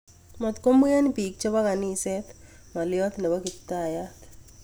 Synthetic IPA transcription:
mət̪kombujanipik̚t͡ɕebaɡaniːset̪ | malijɔt̪nəʋəkit̪ːaːjat̪

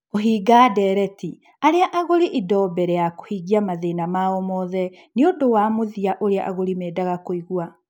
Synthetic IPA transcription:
oɦiːɡaːdɛɾɛti | aɾeaʔaɣoɾiʔidɔbɛɾɛjako̥hiɣiamaðenamaɔmɔðɛ | neodowamoðiaʔoɾea̰ʔaɣoɾimɛːdaɣakoiɣwa

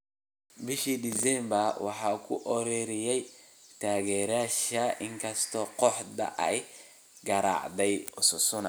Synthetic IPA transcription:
bɪʃid̪ɪsɛmbɐrwɑ̰ħɑːkʰʊ̰ʔɔɾɛːɾɪjɛj | t̪ʰaːɣɛːɾaːʃɐʔɪŋkʰɐst̪ʰɔːqɔħd̪ɐ̰ʔɛ̰j | ɡɐɾɑ̰ʕd̪ɛjʊsɔsʊnɐ

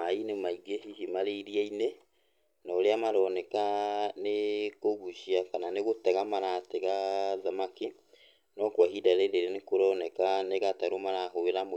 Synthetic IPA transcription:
ainemaiɡehiɦimaɾeiɾiaine | nɔːɾeamaɾɔnɛkanekoɣuʃiakananeɣotɛɣamaɾatɛɣaðamaki | nɔkwaɦidaɾeɾeɾenekoɾɔnɛkaneɣataɾomaɾaɦoweɾamo

